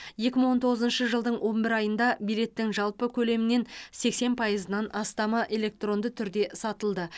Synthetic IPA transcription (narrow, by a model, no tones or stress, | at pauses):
je̞kʲɪməɴwo̞nt̪ʰo̞ʁəzənʃəʒəlˠd̪əɴwo̞mbɪɾɑjənd̪ɑbijle̞t̪ːɪŋʒɑlˠpəkʲʰɵle̞mɪne̞nse̞kse̞npʰɑjəzənɑnɑst̪ɑmɑʔe̞lʲe̞k̚t̪ro̞nd̪ət̪ʰʏɾd̪e̞sɑt̪əlˠd̪ə